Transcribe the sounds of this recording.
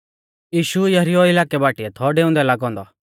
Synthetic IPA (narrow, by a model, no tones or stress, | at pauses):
jiːʃujɐɦɾiɔɪlaːkɛbaːʈiɛt̪ʰɔɖeːʊ̃nd̪ɛlaːɡɔ̃ːnd̪ɔ